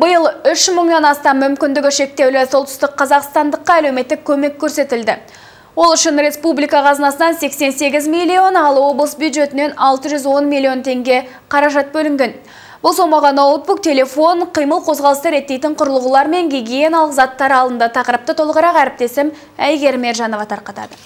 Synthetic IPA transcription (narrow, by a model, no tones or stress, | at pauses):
bəjəlˠʏʃməɴnɑnɑst̪ɑmːʏmkʲɪnd̪ɪɡʲɪʃe̞k̚t̪e̞wlɪso̞lˠt̪ʏ̥st̪ɪkqʰːɑzɑqst̪ɑnd̪əqːɑælewme̞t̪ːɪkʲʰːɵme̞kʲʰːɵɾse̞t̪ɪld̪ɪ | wo̞lˠʏʃɪnɾe̞spublijkɑqʰɑzənɑsənɑnse̞kse̞nse̞ɡʲɪzmilʲːio̞nɑlˠwo̞blˠəsbjud̪ʒe̞t̪ɪne̞nɑlˠt̪əʒʏzwo̞nmʲilʲːio̞nt̪ʰe̞ŋɡʲe̞ | qʰɑɾɑʒɑt̪̚bɵlɪŋɡʲe̞n | bʊlˠso̞mɑʁɑnot̪̚buk̚t̪ʲʰe̞le̞fo̞ɴqʰijməlˠqʰo̞zʁɑlˠəst̪əɾe̞t̪ːe̞jt̪ɪɴqʰʊɾəlˠəʁulˠɑɾme̞ŋɡʲiɡʲijenalˠəqzɑt̪ːɑɾɑlˠd̪ənd̪ɑt̪ʰɑqəɾəp̚t̪ət̪ʰolˠəʁəɾɑqæɾɪp̚t̪e̞sɪm | æjɡʲe̞ɾme̞ɾʒɑno̞vɑt̪ʰɑɾqɑt̪ɑ̰d̪ə